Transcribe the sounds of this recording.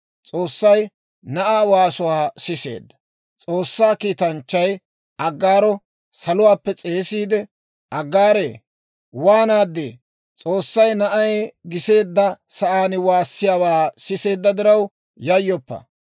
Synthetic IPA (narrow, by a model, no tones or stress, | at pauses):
t͡sʼo̞ːsːɐj | nɐʔaːwaːsʊwaːsɪse̞̰ːd̪ːɐ̥ | t͡sʼo̞ːsːaːkiːt̪ɐnt͡ʃːɐj | ʔɐɡːaːɾɔ | sɐlʊwaːpːɛt͡sʼe̞ːsiːd̪ɛ | ʔɐɡːaːɾḛː | waːnaːd̪ːḛː | t͡sʼoːsːɐjnɐʔɐjɡɪse̞ːd̪ːɐsɐʔaːnɪwaːsːɪjaːwaːsɪse̞ːd̪ːɐd̪ɪɾɐw | jɐjːɔpːɐ̰